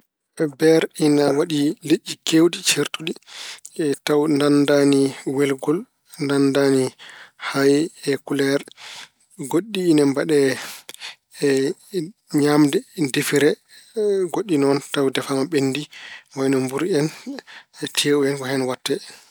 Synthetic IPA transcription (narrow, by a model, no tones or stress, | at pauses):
bɛɾinawaɗileʔːikewɗit͡ʃeɾtuɗi | tawndandaniwɛlɡɔl | ndandanihajɛkulɛɾ | ɡoɗːiːnɛmbaɗɛ | ɲamdɛdifiɾɛ | ɡoɗːinɔntawdɛfamaɓendimajnɔmbuɾɛn | tʰeːuɛnkɔhɛnwatːɛ